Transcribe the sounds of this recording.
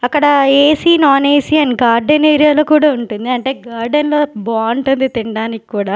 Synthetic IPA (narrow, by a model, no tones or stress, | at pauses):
ɐkːɐɽɐeːsiːnaːneːsiɐnɡaːɾɖɐneːɾijaːloːkuːɽaːuɳʈund̪iɐɳʈe̞ːɡaːɾɖɐnloːbaːuɳʈund̪it̪iɳɖaːniki̥kuːɽaː